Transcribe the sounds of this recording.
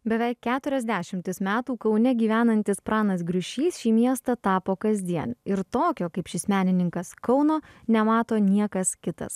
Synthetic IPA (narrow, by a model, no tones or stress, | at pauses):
bʲɛʋʲæɪkːʲæːt̪ʊɾʲɛzʲd̪ʲæːʃʲɪmʲt̪ʲɪsmʲæːt̪uːkɐʊnʲɛɡʲiːʋʲæːnɐnʲt̪ʲɪspɾɑːnɐs̬ɡɾʲʊʃʲiːsʃʲiːmʲiɛst̪ɐt̪ɑːpoːkɐzʲd̪ʲiɛnɪɾt̪oːkʲoːkɐɪpʃʲɪsmʲæːnʲɪnʲɪŋkɐskɐʊnoːnʲɛmɑːt̪oːnʲiɛkɐskʲɪt̪ɐ̰s